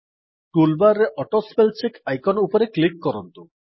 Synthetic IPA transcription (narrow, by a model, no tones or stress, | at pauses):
ʈulbaɾːeʔɔʈospelt͡ɕekajkɔnupɔɾeklikːɔɾɔnt̪u